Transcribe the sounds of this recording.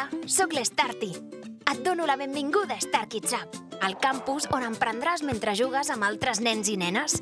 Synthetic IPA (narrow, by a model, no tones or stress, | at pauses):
sɔklest̪aɾt̪iət̪̚d̪onuləβembiŋɡuðəest̪aɾkit͡ʃap̚əlˠkampuzonəmpɾənd̪ɾazment̪ɾəʒuɣ̞əzəmbalˠt̪ɾəznɛnzinɛnəs